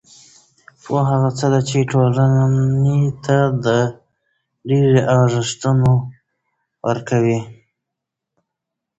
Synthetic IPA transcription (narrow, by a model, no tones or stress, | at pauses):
oɦaɣat͡səd̪at͡ʃeʈolannet̪ad̪ə | ɖeɾeʔɑʐɪʂt̪əno | wəɾkawi